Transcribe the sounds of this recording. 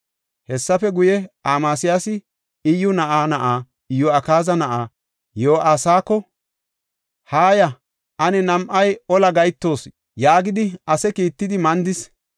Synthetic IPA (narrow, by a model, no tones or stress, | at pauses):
hɛsːɐfɛɡʊjɛaːmaːsɪjasɪ | ɪjːʊnɐʔaːnɐʔaː | ɪjːʊɐkaːzɐnɐʔaː | joːʔaːsaːkːɔ | haːjɐ | ʔɐnɛnɐmʔɐjɔlɐɡɐjt̪ːo̞ːs | jaːɡɪd̪ɪɐsɛkiːt̪ːɪd̪ɪmɐnd̪ɪs